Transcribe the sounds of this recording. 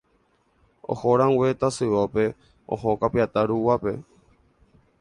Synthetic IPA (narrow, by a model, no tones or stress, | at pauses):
o̰hoɾãŋwet̪asɨʋope̞ | o̰hokapiat̪aɾuwape̞